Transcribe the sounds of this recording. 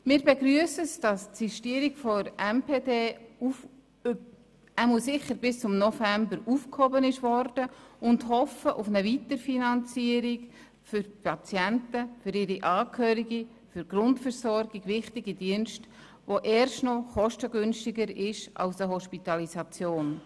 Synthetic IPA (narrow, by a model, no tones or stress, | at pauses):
mɪːɾbeɡɾyəsəsd̥ɑstsiʃtiəɾikfɔɾɛmpeːdeːu | æmusɪχəɾbɪst͡sʊmnɔfæmbəɾuːfkhobənɪʃvɔrd̥əʊndhɔfəʔʊfnəvitəɾfinɑnt͡siəɾiɡ | fʏɾpʰɑt͡sjɛntəfʏɾɪɾiʔɑːkʰhøːɾiɡi | fʏɾɡ̥rʊntfəɾsɔɾɡ̥iɡ̥vɪχtɪɡidiənʃt | ʋoʔɛːɾʃtnɔχɔʃtəɡʏnʃtɪɡəɾɪʃɑ̰ʊsəɦɔʃpitɑlisɑt͡sjoːn